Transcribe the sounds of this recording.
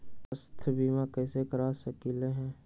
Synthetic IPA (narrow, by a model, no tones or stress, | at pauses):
əst̪ʰbiːmakɛːsekəɾasəkileɦɛ̃ː